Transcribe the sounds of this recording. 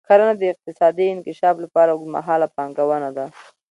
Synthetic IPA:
kaɾanad̪əɪq̚t̪ɪsɑd̪iɪnkɪʃɑflapɑɾama̰ɦɑlapɑŋɡawənad̪a

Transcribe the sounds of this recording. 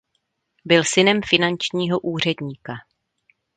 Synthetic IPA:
bɪlsɪnɛmfɪnant͡ʃɲiːɦo̞ʔuːr̝ɛdɲiːka

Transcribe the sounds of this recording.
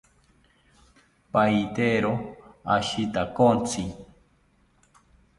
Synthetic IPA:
pajt̪eɾoaʃit̪akont͡sʰi

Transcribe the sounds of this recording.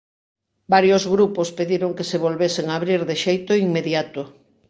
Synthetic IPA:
baɾjozɣɾupospeðiɾoŋkeseβ̞olβeseŋaβɾiɾðeʃejt̪ʊiŋmeðjat̪ʊ

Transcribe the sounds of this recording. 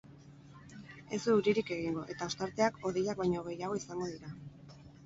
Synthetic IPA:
e̞suuɾiɾike̞ɣ̞iŋɡo̞ʔe̞t̪ao̞st̪aɾt̪e̞ako̞ðejak̚βajɲo̞ɣ̞e̞jaɣ̞o̞isaŋɡo̞ðiɾa

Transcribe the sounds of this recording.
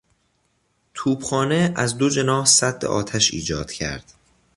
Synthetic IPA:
t̪ʰuːbxɒːne̞æzd̪o̞d͡ʒe̞nɒːhsæd̪ːḛʔɒ̰ːt̪ʰæʃḭːd͡ʒɒːd̪̥cʰæ̰ɾd̪̥

